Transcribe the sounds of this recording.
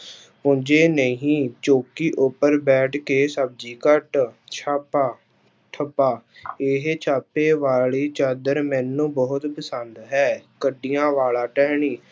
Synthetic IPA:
pʊɲd͡ʒeːnəĩɦĩːt͡ʃoːkiːʔʊpːəɾbɛːʈʰkeːsəb̚d͡ʒiːkəʈt͡ʃʰaːpaː | ʈʰəpaːɪɦt͡ʃʰaːpeːʋaːliːt͡ʃaːd̪əɾmɛːnːũːbɔːʊt̪pəsənd̪ɦɛːkəɖiːjãːʋaːlaːʈɛːɦɳiː

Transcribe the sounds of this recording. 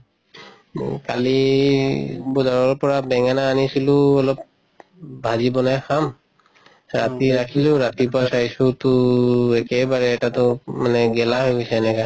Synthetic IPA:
kali | bɔzaɹɔɹpɔɹabɛŋanaːnisilʊɔlɔp̚ | bʱazibɔnajxam | ɹatiɹakʰilʊɹatipɔasajsutʊɛkɛbaɹɛːtatʊmanɛɡɛlaɦojɡosɛːnɛka

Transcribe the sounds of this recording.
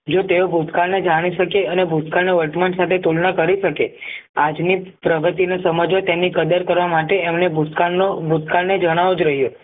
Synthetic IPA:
d͡ʒot̪eobʱut̪kaɭned͡ʒaɽ̃iʃəkeənebʱut̪kaneʋəʈmansat̪ʰet̪ulnakəɾiʃəkead͡ʒnipɾəɡət̪inasəməd͡ʒʋat̪emnikəd̪əɾkəɾʋamaʈeɛmnebʱut̪kaobʱut̪kaɭned͡ʒəɽ̃aʋud͡ʒɾəɦjo

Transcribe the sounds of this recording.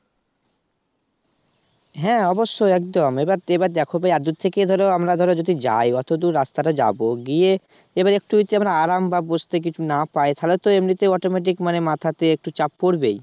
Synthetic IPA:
ɦɛ̃ɔboʃːoɛkd̪omebaɾebaɾd̪ɛkʰobajad̪uɾt̪ʰeked̪ʱɔɾeoamɾad̪ʱɔɾed͡ʑod̪ʱid͡ʑa̰jɔt̪od̪uɾɾast̪aʈad͡ʑa̰boɡie | ebaɾek̚ʈuit̪eamɾaaɾambʱabost̪ek̬it͡ʃʰunapajt̪ʰalet̪oemnit̪eɔʈomeʈ̬ikmanemat̪ʰat̪eek̚ʈut͡ɕap̚ːoɾbe

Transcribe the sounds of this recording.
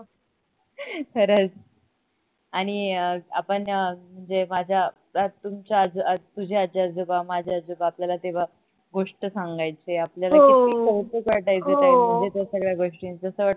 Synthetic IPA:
kʰəɾət͡s | aɽ̃iəa̰pəɳəm̤əɳd͡zemad͡ʑʱja | at̪umt͡ɕad͡zt̪ud͡ʑʱead͡ʑad͡zubamad͡ʑʱeaad͡zubaːpljalat̪eʋ̤a | ɡoʂʈəsaŋɡajt͡seapljalaeisət̪əkəɾʈ̪ajt͡sɦek̪aɦi̤əɳd͡zet̪jasəɡɭjaɡoʂʈĩnd͡zəsəʋaʈ

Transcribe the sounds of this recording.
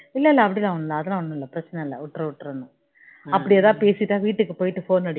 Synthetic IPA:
ilːɐilːɐɐʋɐɽilaːuɳːɐlːɐːðɪlaoɳːlːɐpɾɐt͡ɕːɐnɐɐlːɐ̰uʈːrɐuʈːrɐnːu | ɐpːɐɽijɐðãːpeːsiʈːaːʋiːʈːɯkːɨpoːjɪʈːɯfoːnɐɽ

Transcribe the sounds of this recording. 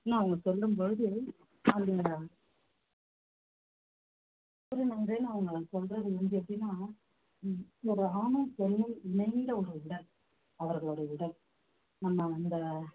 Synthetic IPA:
nãːɐʋɐŋɡɐsɔlɾɯmboɻɯðɯ | ɐnd̪ɯ | pːɯɾɯnɐnɡeːnaːɐʋɐŋɡɐɭsɔlɾɐðɯɛndɯɐpːɐʈinːaː | ɔɾɯaːnɐmsɔnːɯmɪnɐɪnd̪ɐɔɾɯʋɪɽɐm | ɐʋɐɾɣɐɭoːɽɐʋɪɽɐm | nɐmːɐɐnd̪ɐ

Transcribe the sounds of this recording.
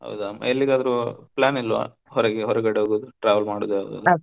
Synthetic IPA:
ɦɐ̰wd̪uama̰elːiɡaːd̪ɐɾuplʲaːnilːʋa̰ː | hɔɾeɡeɦɔɾɛɡɐɽeɦoːɡod̪uʈɾaːʋɐlmaːɽuːd̪uɐ̰wd̪uɐ

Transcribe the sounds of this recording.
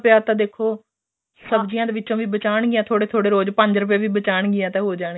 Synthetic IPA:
pɪjaːt̪ãːd̪eːkʰːoː | səbd͡ʒɪjãːd̪eːʋɪtːt͡ʃõːʋiːbət͡ʃaːɳɡɪjãːt̪ʰoːɽeːt̪ʰoːɽeːɾoːd͡ʒpəɲd͡ʒɾəp̬jeːʋiːbət͡ʃaːɳ̃ɡɪjãːt̪ɛ̃ːɦoːd͡ʒaːɳ

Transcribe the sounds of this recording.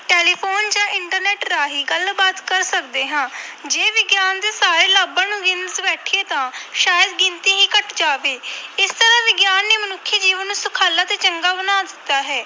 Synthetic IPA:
ʈeːliːpʰoːnd͡ʒãːʔɪɳʈəɾnɛːʈɾaːɦiːɡəlbaːt̪kəɾsək̚d̪eːɦãːd͡ʒeːʋɪɡjaːnd̪eːsaːɾeːlaːbãːnũːɡɪnzbɛːʈʰieːt̪ãːʃaːjəd̪ɡɪnt̪ĩːɦĩːkəʈd͡ʒaːʋeːɪst̪əɾãːʋɪɡjaːnːeːmənʊkʰːjeːd͡ʒiːʋənːũːsʊkʰaːlaːt̪eːt͡ʃəŋɡaːbənaːd̪ɪt̪ːaːɦɛː

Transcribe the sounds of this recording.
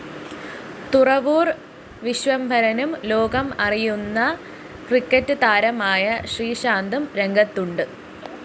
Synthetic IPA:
t̪urɐʋuːr | ʋiɕʋɐmbʱɐɾɐnumlo̞ːɡɐmɐrijunːɐ | krikːɐtːɨt̪aːɾɐmaːjɐɕriːɕaːnd̪ʱumɾe̞ŋɡʱɐt̪ːuɳɖɨ

